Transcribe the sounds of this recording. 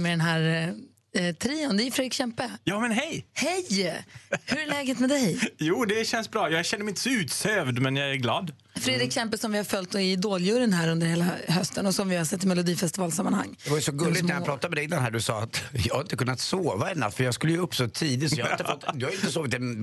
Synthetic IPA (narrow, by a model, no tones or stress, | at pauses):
mɛd̪ɛnɦæːɾ | t̪ʰɾiːʊnd̪ɛfɾeːd̪ɾɪkɕɛmpəjɑːmɛnɦɛjhɛj | hɵɾæɭlɛːɡət̪mɛd̪ɛjjuːd̪ɛɕɛnsbɾɑːjɑːɡɕɛnːmɛɪnt̪ə̥sɔʉ̟ːt̪søːvd̪mɛnjɑɡæɾɡlɑːd̪ | fɾeːd̪ɾɪkɕɛmpəsɔmvɪhaɾfœlt̪ɪd̪oːljʉɾənɦæːɾɵnd̪əɾheːlaɦœst̪ənɔsɔmvɪhaɾsɛt̪ːɪmɛlʊd̪iːfɛst̪ɪvɑːlsamːanha̰ŋːd̪ɛvajʏsɔɡɵlːɪt̪næjapɾɑːt̪ad̪mɛd̪ɛɪd̪anhæːɖɵsɑːat̪jɑhaɾɪnt̪əkɵnːat̪soːvaɛnːa̰fœjɑɡskɵlːəjɵɵpːsɔt̪ʰiːd̪ɪt̪sjhaɪɪt̪fɔt̪ːd̪ɵhajʏɪnt̪əsoːvɪt̪ɛn